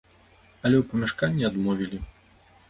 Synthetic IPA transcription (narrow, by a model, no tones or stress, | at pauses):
ɐlʲɛwpɐmʲɛʂkanʲːiad̪mɔvʲilʲi